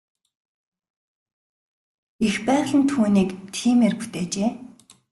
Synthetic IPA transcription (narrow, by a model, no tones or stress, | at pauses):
ixpæːʁɮə̆nt̪ʰuːniːkt̪ʰiːmerpu̥t̪eːt͡ɕeː